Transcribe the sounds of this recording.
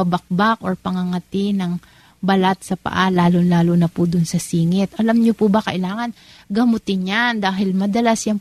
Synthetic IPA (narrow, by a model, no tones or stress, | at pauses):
ɐbɐk̚bakʔoɹpɐŋɐŋɐt̪ɪnɐŋ | bɐlat̪̚sɐpɐ̰ʔalaːlonlaːlonɐpʊd̪ʊnsɐsiːŋɪt̪ʔɐlamɲopʊbɐkɐʔɪlaːŋɐn | ɡɐmʊt̪ɪnɲand̪aːɦɪlmɐd̪ɐlasjɐŋ